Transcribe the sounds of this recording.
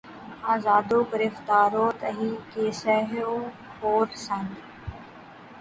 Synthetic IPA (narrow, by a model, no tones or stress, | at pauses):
aːzaːd̪oːɡɪɾɪft̪aːɾoːt̪əɦiːkeːsɛɦoː | hoːɾsan